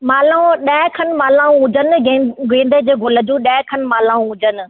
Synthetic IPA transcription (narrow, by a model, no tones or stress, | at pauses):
maːlãɗaɦɪkʰənmaːlãːũʊ̃d͡ʑənɪ̆ɡẽːnd̪əd͡ʑeːɡʱʊlə̆d͡ʑũːɗaːɦɪkʰənmaːlãːũʊ̃d͡ʑənɪ̆